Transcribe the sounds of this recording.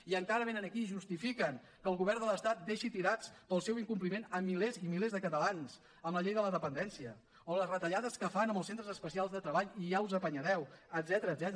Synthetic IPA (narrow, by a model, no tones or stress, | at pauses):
iəŋkaɾəβ̞enənəkiʒust̪ifikəŋ | kəːlˠɣuβ̞ɛrnd̪ələst̪at̪̚d̪eʃit̪iɾat͡spəlˠsɛwiŋkump̬limenəmːilezimilezðəkət̪əlans | əmləʎejðələðəpənd̪ɛnsiə | oləsrət̪əʎaðəskəfanəmbəlˠsent̪ɾəzəspəsialˠzðət̪ɾəβaʎiʒauzəpəɲəðɛwəd̪zɛt̪əɾəːd̪zɛt̪